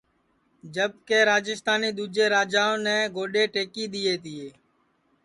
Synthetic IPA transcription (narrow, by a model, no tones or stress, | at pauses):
d͡ʒəb̚keːɾaːd͡ʒɪst̪aːniːd̪uːd͡ʒeːɾaːd͡ʒaːõːnɛːɡoːɗeːʈeːkiːɗ̪iːeːt̪ɪːeː